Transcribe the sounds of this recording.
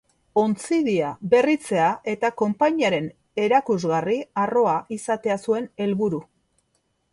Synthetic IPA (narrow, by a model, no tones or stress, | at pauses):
o̞nt͡siðiabe̞rit͡se̞aʔe̞t̪ako̞mpaɲiaɾe̞n | e̞ɾakuzɣariaro̞aʔisat̪e̞asue̞ne̞lβuɾu